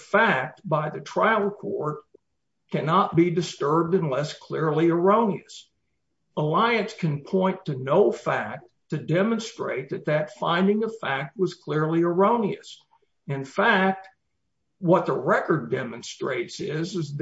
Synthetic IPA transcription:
fæk̚t̚b̥aɪðɨtʰɹ̥aɪl̩ˠkʰɔ̰ɹt̚ | kʰænɑt̚b̥idɨstɜ˞b̚dɨ̃nlɛskʰl̥ɪɹliə˞õʊ̃niɨs | əlaɪɨ̃nskʰɨ̃npʰɔ̃ɪ̃ntʰɨnoʊfæk̚tʰɨdɛmə̃nstɹ̥ḛɪt̪̚ðɨt̪̚ðɨtfã̰ɪ̃ndɪ̃ŋəfæk̚t̚wʌz̥kʰl̥ɪɹliə˞õʊ̃niɨ̰s | ɨ̃nfæk̚t̚ | wʌt̪̚ðəɹɛkə˞dɛmɨ̃nstɹ̥eɪtsɪzɨz

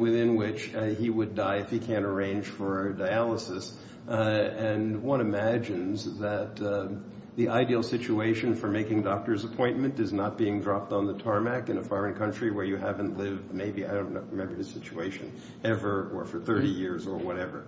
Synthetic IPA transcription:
wɪθɪ̃nwɪt͡ʃiwɨdaɪɨfhikʰæ̃ñə˞ẽɪ̃nʒ̥fə˞ɨdaɪælˠəsɨs | ɨ̃nwʌ̃ɾ̃ɨmæd͡ʒɨ̃nzðɨt̪̚ | ðiʔaɪdil̩ˠsɪt͡ʃueɪʃɨ̃nfə˞meɪkɪ̃ŋdɔk̚tə˞zəpʰɔ̃ɪ̃nmɨ̃ntɨznət̚b̥iɪ̃ŋdɹɑp̚tn̩ðətʰɑɹmækɨ̃ñəfɔɹɨ̃nkʰʌ̃nt͡ʃɹ̥iwə˞jɨhævɨ̃nʔlɪvdmeɪbia̰ɪdõʊ̃nət̚ɹɨmɛ̃mbə˞ðɨsɪt͡ʃueɪʃɨ̃n | ɛvə˞ə̰˞fə˞θɜ˞ɾijɪɹzə˞wʌɾɛvə̰˞

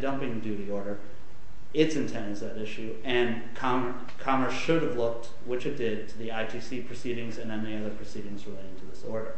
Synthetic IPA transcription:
dʌ̃mpɪ̃ŋdʉɾiɔɹɾə˞ | ɪtsɨ̃ntʰɛ̃nzðɨɾɪʃʉ | ɨ̃n | kʰɑm | kʰɑmə˞sʃʊɾɨvlʊk̚t̚ | wɨt͡ʃɨt̚d̥ɪd̚tʰɨðiaɪtʰisipʰɹ̥ɨsiɾɪ̃ŋzɨ̃nðɨ̃nmɛniʌðə˞pʰɹ̥ɨsiɾɪ̃ŋzɹɨleɪɾɪ̃ŋtʰɨðɪsɔ̰ɹɾə˞

